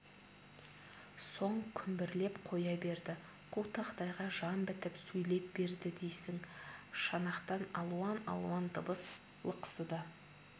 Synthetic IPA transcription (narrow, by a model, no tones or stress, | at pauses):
so̞ɴkʲʰʏmbɪɾle̞pqʰo̞jɑbe̞ɾd̪ɪ | qʰut̪ɑqt̪ɑjʁɑʒɑmbɪt̪ɪpsɵjle̞p̚be̞ɾd̪ɪd̪e̞jsɪŋʃɑnɑqt̪ɑnɑ̰lˠuɑnɑ̰lˠuɑnd̪ʰəbəs | lˠəqə̥səd̪ɑ